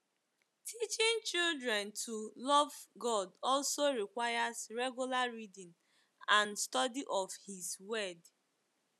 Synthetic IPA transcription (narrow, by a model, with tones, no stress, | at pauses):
tʰi˦t͡ʃɪ̃˦nt͡ʃi˦ldɹɛ̃˨ntʰu˨lɔ˦vɡɔ˦dɔ˦lso˦ɹi˨kwa˦ja˦zɹɛ˦ɡju˦la˦ɹi˦dĩ˨n | ã˨nstɔ˦di˦ʔɔ˨fhi˨zwɛ˦d